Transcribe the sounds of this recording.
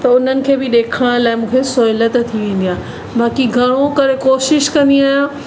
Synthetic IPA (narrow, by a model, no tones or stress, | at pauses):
t̪ɐʊn̤ənɪ̆kʰeːbɪɗeːkʰəɽ̃laːɪmũːkʰesoːɪlət̪t̪ʰiʋẽːn̆d̪ijaː | baːkiɡʱɐɽ̃õkɐɾekoːʃɪʃkɐ̃nd̪iaːjãː